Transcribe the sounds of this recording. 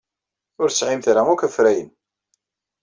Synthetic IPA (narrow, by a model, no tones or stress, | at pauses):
ʊɾsʕimθɾaŋʊkəfɾæjən